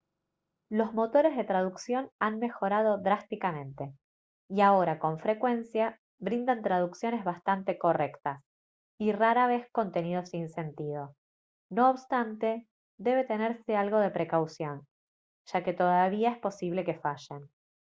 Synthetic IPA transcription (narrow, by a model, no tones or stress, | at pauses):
lo̞zmo̞t̪o̞ɾe̞zðe̞t̪ɾað̞uksjo̞nanmexo̞ɾað̞oðɾast̪ikamẽ̞nt̪e̞ | iao̞ɾako̞ɱfɾe̞kwe̞nsja | βɾind̪ant̪ɾað̞uksjo̞ne̞zβast̪ant̪e̞ko̞re̞kt̪as | iraɾaβ̞e̞sko̞nt̪e̞nið̞o̞sinse̞nt̪ið̞o̞ | no̞ːβst̪ant̪e̞ | ðe̞β̞e̞t̪e̞neɾse̞alɣo̞ð̞e̞pɾe̞kawsjo̞n | ʒ̥ake̞t̪o̞ðaβiaespo̞siβle̞ke̞faʃen